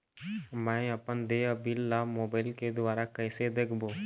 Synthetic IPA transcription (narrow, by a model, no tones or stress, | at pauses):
mɛ̃əpənd̪eːəpiːlːaːmoːbaːɪlked̪ʊaːɾakɛːsed̪eːkʰboː